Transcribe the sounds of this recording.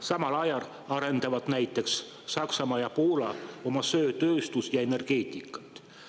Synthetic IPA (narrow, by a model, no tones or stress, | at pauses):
sɑmɑlɑjɑl | ɑɾe̞nd̪̥ɑvɑd̪̥næjt̪ːˑe̞ksː | ɑksɑmɑjɑpo̞ːlɑo̞mɑsø̞ːt̪ø̞ːst̪usjɑe̞ne̞rɡ̥e̞ːt̪ʲˑikːˑɑ̥t̪ːˑ